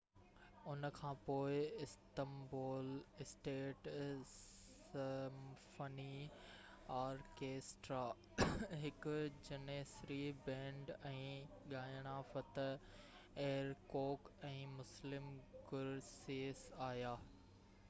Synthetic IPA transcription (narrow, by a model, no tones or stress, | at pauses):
ʊnkʰãːpoːɪɪst̪əmboːlɪsʈeːʈs | mfəni | aːɾkeːsʈɾaː | ɦɪkʊ̆d͡ʑɐneːsɾibɛ̃ːɳɖɛ̃ːɠaːjɽ̃aːfɐt̪ | eːɾkoːkɛ̃ːmʊslɪmɡʊɾseːsaːɦjaː